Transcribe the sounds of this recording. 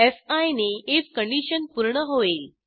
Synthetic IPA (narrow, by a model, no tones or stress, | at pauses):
efajneet͡skəɳɖiɕənpuɾɳəɦoʋel